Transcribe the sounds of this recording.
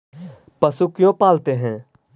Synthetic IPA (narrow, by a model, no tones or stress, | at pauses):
pəsukjõːpaːlt̪eːɦɛ̃ː